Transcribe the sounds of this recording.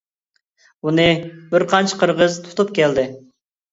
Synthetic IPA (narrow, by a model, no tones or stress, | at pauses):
unɨbɪɾqʰɑnt͡ʃʰɪ̥qʰəɾʁəzt̪ʰu̥t̪ʰupkʲɛld̪ɪ